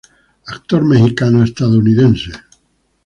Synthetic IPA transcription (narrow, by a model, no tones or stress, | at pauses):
ak̚t̪oɾmexikanoest̪aðouniðẽnse